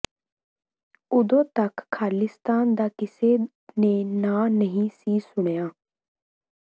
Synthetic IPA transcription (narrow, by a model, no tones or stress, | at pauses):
ʊd̪õːt̪əkʰːaːlɪst̪aːnd̪aːkɪseː | neːnaːnəɦĩːsiːsʊɳ̃jaː